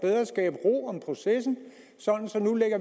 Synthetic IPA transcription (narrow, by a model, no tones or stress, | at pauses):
b̥eð̞ˠʁɐsɡ̥ɛ̰ːb̥əʁo̝̰ːɒ̽mpʰʁo̝sesn̩ | sɒ̽d̥n̩sɒ̽nuleɡ̥ɐ